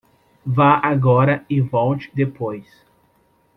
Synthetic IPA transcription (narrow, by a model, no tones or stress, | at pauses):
vaaɡɔɾɐɪvɔwt͡ʃɪ̥d̪epojs